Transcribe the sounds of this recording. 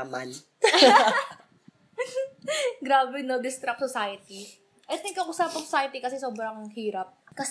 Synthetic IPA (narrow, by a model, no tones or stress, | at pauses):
man | ɡɾaːbɛnod̪ɪst̪ɾɐp̚sɔsajɐt̪i | ʔɐjt̪ɪŋkɐkosapoŋsɔsaːjɐt̪ikɐsɛsoːbɾɐŋhiːɾɐp̚kɐs